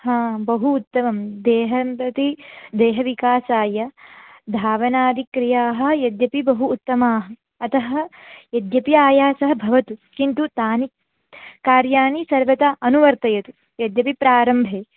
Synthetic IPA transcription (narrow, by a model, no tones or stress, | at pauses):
hãːbɐɦuːt̪ːɐmɐmd̪eːɦɐmpɐt̪id̪eːɦɐʋikaːsaːjɐd̪ʱaːʋɐnaːd̪ikɾijaːɦɐ̆jɐd̪jɐpibɐɦuːt̪ːɐmaːɦɐ̆ | ɐt̪ɐɦɐ̆jɐd̪jɐpiaːjaːsɐɦɐbʱɐʋɐt̪ukint̪ut̪aːnik | kaːɾjaːnisɐɾʋɐt̪aʔɐnuʋɐɾt̪ɐjɐt̪u | jɐd̪jɐpipɾaːɾɐmbʱeː